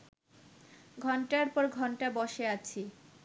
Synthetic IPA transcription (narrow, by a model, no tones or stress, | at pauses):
ɡʱɔɳʈaɾpɔɾɡʱɔɳʈabɔʃeat͡ɕʰi